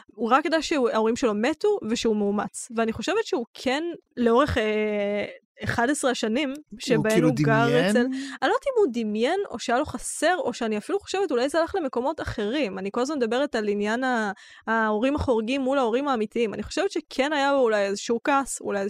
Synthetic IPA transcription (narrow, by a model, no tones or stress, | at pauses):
uʁakjed̪ajʃeao̞ʁimʃelo̞metuve̞ʃeumeumat͡sveaniχo̞ʃe̞vetʃeukʰenle̞o̞ʁeχe | eχadesʁeaʃanimʃebaemuɡaʁet͡selalot̪iimud̪imjeno̞̰ʃeajalo̞χase̞ʁoʃeaniafiluχo̞̥ʃevetulajzealaχle̞me̞ko̞mo̞taχe̞ʁimaniko̞lazmanmed̪abe̞ʁetalinjanaː | o̞ʁimaχo̞ʁɡimːulao̞ʁimaːmitiima̰niχo̞ʃe̞vetʃekʰe̞najaoulajezeʃukasṵlaj